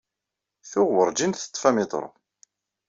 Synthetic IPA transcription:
θʊʁwəɾˤd͡ʒinθə̥t̪ˤːfæmit̪ˤə̰ɾ̰ˤ

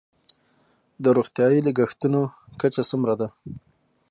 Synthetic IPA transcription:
d̪əɾuɣt̪jɑjilaɡaxt̪unokat͡ʃasumɾad̪a

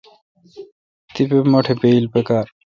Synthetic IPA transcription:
t̪ipemɔʈʰebejlpekaɾ

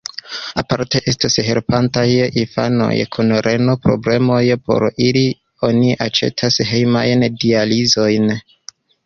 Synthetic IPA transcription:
apaɾte̞ʔe̞stasɦe̞ɾpantajinfa̰no̞̰jkʰunɾʔe̞no̞pɾo̞̰ble̞mo̞jpo̞̰ɾili | o̞niʔat͡ʃe̞̰tʰasɦejmajndializo̞jn

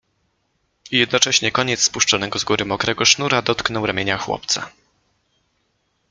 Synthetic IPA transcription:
ijɛd̪̚nɔt͡ʂɛɕɲɛkɔɲɛt̪sspuʂt͡ʂɔnɛɡɔzɡuɾɘmɔkɾɛɡɔʂnuɾad̪ɔt̪knɔwɾamʲeɲaxwɔ̰p̚t̪sa̰

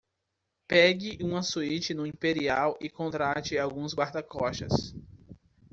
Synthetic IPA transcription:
pɛɡɪʔũɐsuit͡ʃɪnʊ̃ĩpeɾiawʔɪkõnt̪ɾat͡ʃɪawɡũzɡwaɾd̪ɐkɔʃɐ̰s

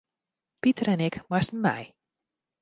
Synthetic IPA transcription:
pitərɛnɛkmastn̩mɛ̰j

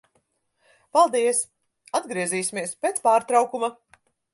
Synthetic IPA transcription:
palˠd̪iɛs | ad̪ɡɾiɛziːsimiɛspeːt̪spaːɾt̪ɾawkuma

